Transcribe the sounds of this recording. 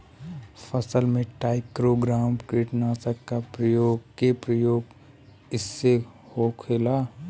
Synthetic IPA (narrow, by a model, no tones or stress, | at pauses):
pʰəsəlmẽʈaːɪkɾoɡɾaːmpkiːʈnasəkːapɾəjoːɡkepɾəjoːɡ | ɪsːehokʰeːlaː